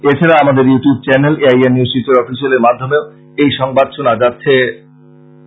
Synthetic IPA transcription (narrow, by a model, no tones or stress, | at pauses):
et͡ɕʰaɾaamad̪eɾjuʈjub̚t͡ɕɛneleajenːiust͡ɕit̪ːoɾɔfʰiʃoleɾmad̪ʱːomeo | ejʃɔŋbad̪ʃonad͡ʑatːɕʰe